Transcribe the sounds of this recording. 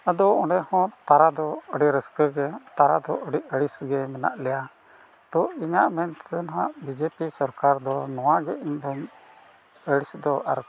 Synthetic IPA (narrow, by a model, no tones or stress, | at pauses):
əd̪ɔɔɖɛhɔ̃t̪aɾad̪ɔəɖiɾəskəɡɛt̪aɾad̪ɔʔəɖiʔəɽisɡɛmɛna̰ʔlɛja | t̪ɔiɲaʔmɛnt̪ɛd̪ɔnɦaʔbid͡ʒepisɔɾkaɾd̪ɔnɔwaɡɛʔiɲd̪ɔm | əɽisd̪ɔʔa̰ɾ